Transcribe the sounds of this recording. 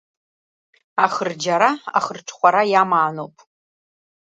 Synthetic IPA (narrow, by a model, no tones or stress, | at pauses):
aχərd͡ʒɐɾaa̰χərʈ͡ʂʰʼχʷɔɾajaːmaːnoːpʼ